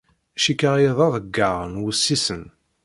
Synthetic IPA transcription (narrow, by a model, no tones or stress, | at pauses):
æʃikəʁjeðˤɑðˤəɡːaʁənwusːisən